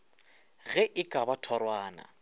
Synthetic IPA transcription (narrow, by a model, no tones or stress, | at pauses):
ɣɛʔɪkʼabatʰɔɾwaːna̰